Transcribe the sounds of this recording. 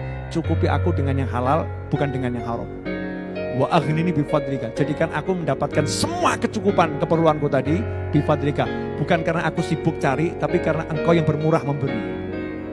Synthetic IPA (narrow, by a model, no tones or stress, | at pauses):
t͡ʃukupiʔa̰kudəŋanjaŋɦalal | b̥ukandəŋanjaŋɦaɾʊ̰m | waʔaɣninibifad̪ɾikad͡ʒadikanʔakuməndapat̪̚kansəmuakət͡ʃukupankəpərluankut̪adi | b̥ifad̪ɾika | b̥ukankaɾənaʔakusibʊk̚t͡ʃaɾit̪apikaɾənaʔəŋkawjaŋbərmuɾahməmbəɾi